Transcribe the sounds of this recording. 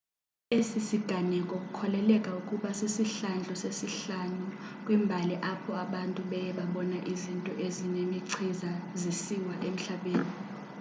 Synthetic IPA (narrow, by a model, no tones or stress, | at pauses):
esisiɡ̥ʱanɛkʼokʼukʰɔlɛlɛkʼaukʼuɓasisiɬand͡ɮʱɔsesiɬanukʼwimbʱalɛʔapʰɔaɓantʼuɓɛjɛɓaɓɔnaʔizintʼɔʔezinemiǀʰizazisiwaʔem̩ɬaɓeːni